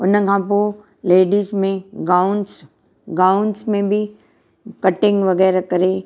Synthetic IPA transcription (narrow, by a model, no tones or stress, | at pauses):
ʊnkʰãːp̬o | leːɖiːzmẽɡaːʊns | ɡaːʊnsmẽbʱi | kɐʈɪ̃ŋɡʋɐɣɛːɾakɐɾe